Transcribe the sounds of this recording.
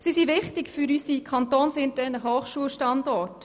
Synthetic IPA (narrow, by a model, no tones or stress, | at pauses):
sisiʋɪχtɪkfyɾysikʰɑnt̪oːnsɪnd̚ɛnəɦoːχʃuəlʃtɑndɔt